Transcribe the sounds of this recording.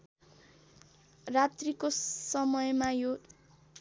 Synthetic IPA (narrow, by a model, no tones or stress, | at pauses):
rat̪rikosʌmʌjmajo